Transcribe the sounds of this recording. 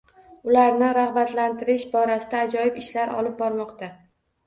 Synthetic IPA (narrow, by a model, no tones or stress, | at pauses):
ʊlaɾnɪɾahbat̪lant̪ʰɪɾɪʃbɒɾasɪd̪aːd͡ʒɒjɪbɪʃlaɾʔɒ̰lɪp̚bɒɾmɒqt̪a